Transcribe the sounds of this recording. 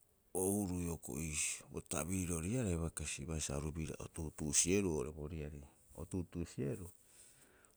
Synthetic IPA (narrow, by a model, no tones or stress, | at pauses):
ouɾujoko̰isi̥bo̰ta̰βiɾoɾiaɾeβakasiβaisa̰ɾubiɾa̰ʔo̰tutusieɾuoɾeβoɾiaɾi | o̰tutusieɾu